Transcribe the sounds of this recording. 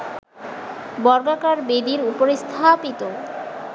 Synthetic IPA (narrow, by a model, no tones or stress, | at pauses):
bɔɾɡakaɾbed̪iɾupoɾest̪ʰapit̪o